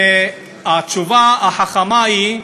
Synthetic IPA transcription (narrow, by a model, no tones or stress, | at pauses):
e | at͡ʃuvaaħaχamai